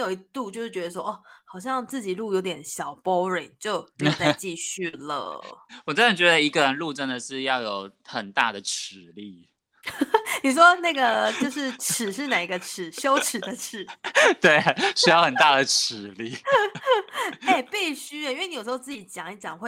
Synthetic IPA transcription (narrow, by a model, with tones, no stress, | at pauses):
jo˨˩ʊi˧˥t̪u˥˧t͡ɕjo˥˧ʂɻ̩˥˩t͡ɕɥɛ˧d̪ə˧ʂ̬wɔ˥ʔɔ˥˩xɑ˨˩ʊɕ̬jɑ˥˧ŋt͡sɹ̩˥˩t͡ɕi˨˩lu˥˩jo˧˥ʊt̪̬jɛ˨˦nɕjɑ˨˩ʊpo˥ʊɻe˨˩˦t͡ɕjo˥˧ʊn˨t͡sa˥˩ɪt͡ɕi˥˧ɕy˥˩lə̰˩wɔ˨˩t͡sə˥nə˨˩t͡ɕɥɛ˧˥d̪ə˧i˧˥ɡə˨ɻə˧˦nlu˥˧ʈ͡ʂə˥˩nd̪ə˩ʂɻ̩˥˧jɑ˥˩ʊjo˨˩ʊxə˨˩nt̪a˥˩d̪ə˩ʈ͡ʂ̩ʰ˨˩˦li˥˩ | ni˨˩ʂ̬wɔ˦na˥˩ɡə˩t͡ɕjo˥˧ʊʂɻ̩˥˩ʈ͡ʂʰɻ̩˨˩ʂɻ̩˥˩na˨˩i˧˥ɡə˧ʈ͡ʂ̩ʰ˨˩˦ɕjo˥ʊʈ͡ʂ̩ʰ˨˩d̪ə˦ʈ͡ʂ̩ʰ˨˩˦t̪we˥˩ɪɕy˥jɑ˥˩ʊxə˨˩nt̪a˥˩d̪ə˩ʈ͡ʂ̩ʰ˨˩˦li˥˩ | e˥˩ɪpi˥˩ɪɕy˥ə˨i˥nwn˧jʂ̩˧˥o˧t͡s̩˥˩t͡ɕi˨˩t͡ɕjɑ˨˩ŋi˧˥t͡ɕjɑ˨˩ŋxwe˥˩